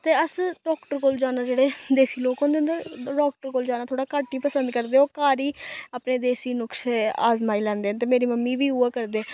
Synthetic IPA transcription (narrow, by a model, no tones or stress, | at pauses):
t̪eːəsɖɔːkʈəɾkoːld͡ʒaːnaːd͡ʒeːɽeːd̪eːsiːloːkɦõnd̪eõnd̪eːɖɔːk̚ʈəɾkoːld͡ʒaːnaːt̪ʰoːɽaːkaːʈːiːpəsənd̪kəɾd̪eːɦoːkaːɾiːaːpneːd̪eːsiːnʊkʃeaːzmaːiːlɛ̃ːnd̪eːnt̪̬eːmeːɾiːməmːiːʋiːuaːkəɾd̪eː